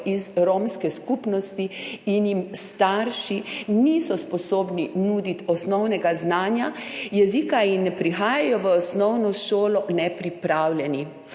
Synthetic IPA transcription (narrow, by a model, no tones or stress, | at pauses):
ʔizɾomskɛskupnɔst̪iinjimst̪aɾʃinisɔspɔsoːbninud̪it̪ɔsnɔwnɛɡaznaːnjajɛzikainːɛpɾixaːjajɔʋəːsnɔwnɔʃoːlɔnɛpɾipɾawlʲɛni